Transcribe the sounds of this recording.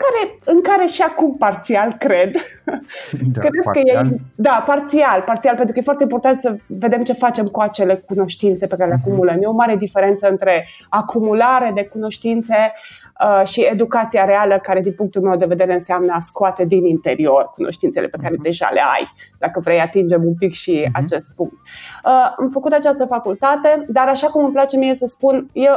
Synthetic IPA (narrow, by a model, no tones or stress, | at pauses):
kaɾe̞ɨŋkaɾe̞ʃiakumpart̪sialkɾe̞d̪ | kɾed̪kəjed̪apart̪sialpart̪sialpent̪ɾuəjefwart̪eimpo̞rt̪ant̪səve̞d̪e̞mt͡ʃe̞fat͡ʃe̞mkuat͡ʃe̞le̞kuno̞ʃt̪int̪se̞pekaɾeleakumuləmjeo̞maɾe̞d̪ife̞ɾe̞nt̪səɨnt̪ɾe̞ | akʰumulaɾe̞d̪e̞kuno̞ʃt̪int̪se̞ | əʃied̪ukat̪siaɾealəkaɾe̞d̪inpuŋkt̪ulmewd̪e̞ve̞d̪e̞ɾe̞ɨnseamnəaskoat̪e̞d̪inint̪e̞ɾio̞rkuno̰ʃt̪int̪selʔepe̞kaɾed̪eʒa̰lḛa̰jd̪̥akəvɾe̞jat̪ind͡ʒe̞mumpikʃia̰t͡ʃe̞st̪̚puŋk̚t̪̚əamfəkut̪at͡ʃast̪əfakult̪at̪e̞d̪aɾaʃakuməmplat͡ʃe̞mijesəspunje